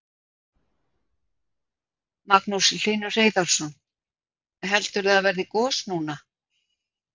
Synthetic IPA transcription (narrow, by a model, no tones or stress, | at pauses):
maknuslɪːnʏr̥eːjðaɾ̥sɔn | ɦɛlt̪ʏɾaavɛɾðɪkɔːsnuːna